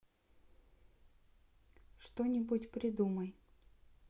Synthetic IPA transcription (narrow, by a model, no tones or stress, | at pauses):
ʂt̪onʲɪbutʲpɾʲɪd̪uməj